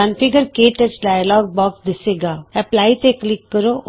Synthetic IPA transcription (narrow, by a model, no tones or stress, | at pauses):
ãnpɪɡəɾkeːʈət͡ʃɖaːjlɔːɡ̚bɔːksd̪ɪseːɡaːɛplaːit̪eklɪkːəɾo